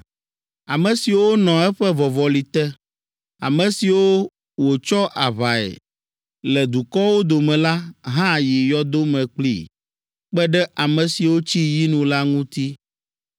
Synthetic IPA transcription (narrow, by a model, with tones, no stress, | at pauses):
a˨mɛ̃˨si˨wo˦nɔ̃˨ɛ˦ɸɛ˦vɔ˨vɔ˨li˨t̪ɛ˦ | a̰˨mɛ̃˨si˨wo˦ | wo˨t͡ʃɔ˦ʔa˨βa˨ɛ̰˨ | lɛ˨d̪u˨kɔ˦wo˦d̪o˨mɛ̃˨la˦ɦã˦ji˨jɔ˦d̪o˦mɛ̃˨k͡plḭ˦ | k͡pɛ˦ɖɛ˦ʔa˨mɛ̃˨si˨wo˦t͡ɕi˦ji˦nũ˨la˦ŋũ˦t̪i˦